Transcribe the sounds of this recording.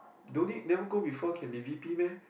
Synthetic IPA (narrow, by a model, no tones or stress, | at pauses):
dõnit̚nɛvəɡobifɔkʰɛ̃nbivipimɛ̃n